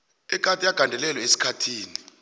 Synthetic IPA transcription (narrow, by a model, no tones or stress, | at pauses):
ɛk̬ʼatʼijaɡ̥ʱandʱɛlɛlɔesi̥kʰatʰiːni